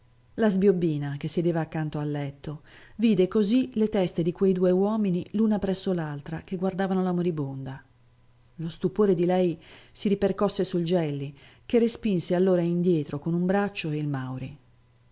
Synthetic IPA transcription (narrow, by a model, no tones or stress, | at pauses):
lazbjobːiːnak̟esːed̪eːvaːkːant̪oalːɛt̪ːoviːd̪ekozilet̪ɛst̪ed̪ikwejd̪uːewɔːminilunapɾɛsːolalt̪ɾak̟eɡward̪aːvanolamoɾibond̪a | lost̪upoːɾed̪ilɛjsiɾiperkɔsːesuld͡ʒɛlːikerːespinsealːoːɾaind̪jɛːt̪ɾokonumbɾat͡ʃːoeilmawɾḭ